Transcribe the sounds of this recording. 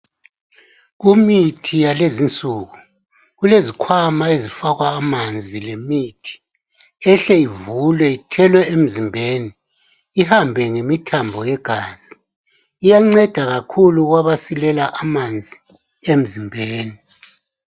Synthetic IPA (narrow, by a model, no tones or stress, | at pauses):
ɣumitʰijalezint͡sʼuːɣu | ɣulezikʰwamaezifaɣwaːmand͡zʱilemitʰi̥ | ɛɬɛivulwɛitʰɛlwɛem̩zimbʱeːni | ihambʱɛŋemitʰambʱɔjɛɡ̥ʱaːz̥i | ijaŋ͡ǀɛd̥ʱaɣakʰuluɣwaβasilɛlaʔamand͡zʱi | em̩zimbʱeːni